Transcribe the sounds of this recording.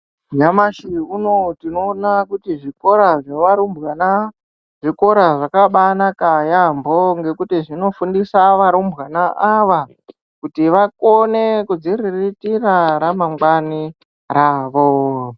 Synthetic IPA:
jamaʃiuno̞tino̞ːnakutiʐiko̞ɾaʐeʋaɾumbɣana | ʐiko̞ɾaʐakaɓanakajamboŋɡe̞kutiʐino̞fundisaʋaɾumbɣanaʔaʋa | kutiʋakonekud͡ziɾiritiraɾamaŋɡwani | raːʋo

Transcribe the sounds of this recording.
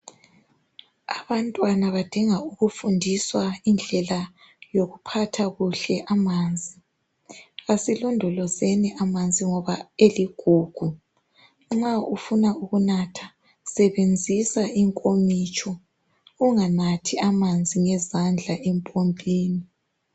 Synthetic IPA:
aβantʼwanaβad̥ʱɛŋauɣufundʱiswaind͡ɮʱɛla | joɣupʰatʰaɣuɬɛʔamand͡zʱi | asilɔndʱɔlɔsɛniʔamand͡zʱiŋɔβaeliɡ̥ʱuɡ̥ʱu | ŋ͡ǁaufunauɣunatʰḁ | sɛβend͡zʱisaiŋkʼomit͡ʃʰʼɔ | uŋanatʰiamand͡zʱiŋɛzand͡ɮʱaʔɛmpʼombʱiːni

